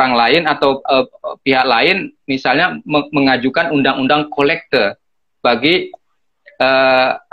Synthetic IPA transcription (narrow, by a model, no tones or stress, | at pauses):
aŋlaɪnat̪awəpiɦak̚laɪnmisalɲaməməŋad͡ʒukanundaŋundaŋkolɛk̚t̪ər | b̥aɡi | ə